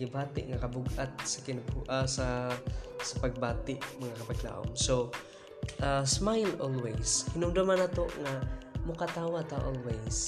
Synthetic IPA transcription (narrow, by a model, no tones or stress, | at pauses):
ɪbaːt̪ɪ̰ʔŋakabuɡʔat̪̚sakɪnabuʔasa | sapaɡ̚baːt̪ɪʔmɐŋakɐpaɡla̰ʔʊ̰mso | ʔasmajlolwejshɪnʊmd̪omanat̪oʔŋamʊkat̪aːwat̪aʔolwejs